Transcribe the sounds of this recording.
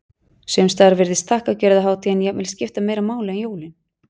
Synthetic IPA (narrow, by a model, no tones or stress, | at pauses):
sœmst̪aɾvɪɾðɪst̪ʰahkacœːɾɪðaɦaːwt̪ʰiɛnjɛvɪlscɪft̪ameːjɾamaːwlɪɛnjoːwlɪn